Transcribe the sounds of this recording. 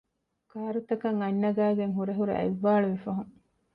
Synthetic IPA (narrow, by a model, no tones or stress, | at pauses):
kaːɾut̪ɐkɐŋɐɲːɐɡæːɡeŋɦuɾɐɦuɾḛʔɐ̰iʋːaːluʋifɐɦuŋ